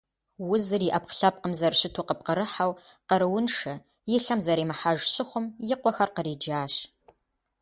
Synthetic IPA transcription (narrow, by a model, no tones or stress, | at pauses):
wʊzɨriːʔɐpχɬɐp̚qəmzɐrɕɪtʰuːqəp̚qəɾɨħawqəɾɨwʊnʂɐ | jɪɬɐmzɐɾiːmɨħaʒɕɪχʷʊmjɪqʷɔxɐrqəɾiːd͡ʒaːɕ